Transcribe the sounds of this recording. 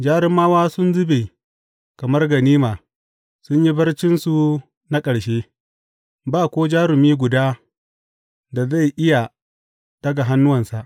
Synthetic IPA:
d͡ʒaː˦ɾɪ˦mːaː˦waː˦sʊ˦nzʊ˦be˨ | kɐ˨mɐ˦rɡɐ˨niː˦maː˨ | sʊ˦ɲji˦bɐ˦rt͡ʃɪ˦nsu˨ | na˦kʼɐ˨ɽʃeː˦ | baː˦˨kʷoː˦d͡ʒaː˦ɾʊ˨miː˦ɡʷʊ˨daː˦ | da˨za˦˨jʔɪ˦ja˨ | d̥ɐ˦ɡa˨ɦa˦nːʊ˦wɐ˨nsa˨ʔ

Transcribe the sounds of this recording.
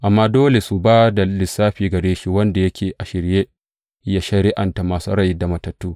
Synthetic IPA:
ʔa˨mːaː˦doː˦le˨su˨baː˦da˨lɪ˨sːaː˦ɸiː˨ɡɐ˨ɽeː˦ʃi˦wɐ˦nda˨jɐ˦kʲʰeː˨ʔa˨ʃɪ˨ɾje˦ | ja˦ʃɐ˦˨ɾɪ˦ʔa˨nta˨maː˨sṵ˦ɽɐ˦jda˨mɐ˨tɐ˨tːuː˦

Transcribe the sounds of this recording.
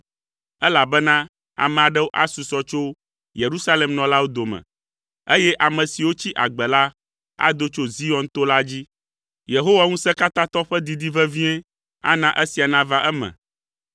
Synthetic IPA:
ɛ˦la˨bɛ˦nã˦ | a̰˨mɛ̃˨a˨ɖɛ˦wo˦ʔa̰˦su˨sɔ˦t͡ʃo˦ | je˨ɾu˦sa˦le˨mnɔ̃˨la˦wo˦d̪o˨mɛ̰̃˨ | e˦jɛ˦ʔa˨mɛ̃˨si˨wo˦t͡ɕi˦ʔa˨ɡ͡bɛ˨la˦ | a̰˦d̪o˦t͡ʃo˦zi˦ɔ˨nt̪o˦la˦d͡ʑi˦ | je˨ɦo˦wa˦ŋũ˦sɛ̃˦ka˦t̪ã˦t̪ɔ˦ɸɛ˦d̪i˨d̪i˦vɛ˦vĩ˦ɛ̃˦ | a̰˦nã˨ʔe˦si˨a˨nã˦va˦ʔɛ˦mɛ̰̃˨

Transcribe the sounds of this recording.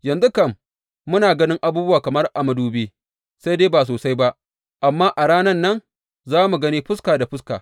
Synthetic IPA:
jɐ˨nzu˦kɐ˦˨mː | ʊ˦naː˨ɡɐ˦nɪ˦ŋʔa˦buː˦bʊ˦waː˨kɐ˨mɐ˦rʔa˨mɐ˦duː˦beː˦ | sa˦jdeː˦baː˨s̬oː˨sa˦jba˦ʔ | ʔa˨mːaː˦ʔa˨ɽaː˦nɐ˦nːɐ˦n | zaː˦mu˨ɡɐ˦niː˦ɸʊ˦skaː˨da˨ɸʊ˦ska̰ː˨

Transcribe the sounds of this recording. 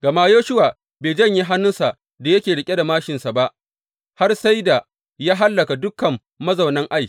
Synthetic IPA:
ɡ̥ɐ˨maː˦joː˦ʃʊ˦waː˨ | beː˨d͡ʒɐ˦˨ɲji˦ɦa˦nːʊ˦nsa˨ʔ | da˨jɐ˦kʲeː˨ɽɪ˨kʲʼe˦da˨maː˦ʃɪ˨nsa˨ba˦ʔ | ha˦rsa˦jda˨ | ja˦ɦa˦lːɐ˨ka˨dʊ˦kɐ˨mːɐ˦zɐ˨wnɐ˦ŋʔa˦˨j

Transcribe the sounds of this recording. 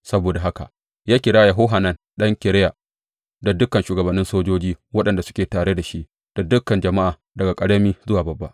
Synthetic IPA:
sɐ˦boː˨da˨ɦa˦ka̰˨ | jaː˦kʲɪ˨ɽaː˦ja˨ɦoː˦ɦa˨nɐ˦n | ɗɐ˦ŋkʲɪ˨ɽɪ˦ja˨ | da˨dʊ˦kːɐ˨nʃuː˨ɡɐ˨bɐ˨nːɪ˦nsoː˦d͡ʒoː˦d͡ʒiː˦wɐ˦ɗɐ˨nda˨sʊ̥˦kʲeː˨taː˨ɽe˦da˨ʃi˦ʔ | d̥a˨dʊ˦kːɐ˨nd͡ʒɐ˨ma˦ʔaː˨ | dɐ˨ɡa˨kʼɐ˨ɽɐ˦miː˦zʊ˦waː˨bɐ˨bːa̰˦ʔ

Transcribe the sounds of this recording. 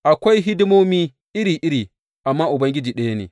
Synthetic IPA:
ʔa˨kʷa˦jɦɪ˦dɪ˦mo˦miː˦ | ʔɪ˦ɾiː˨ʔɪ˦ɾiː˨ | ʔa˨mːaː˦ʔʊ˨bɐ˦ŋɡʲɪ˦d͡ʒiː˨ɗɐ˦ja˦nḛː˨

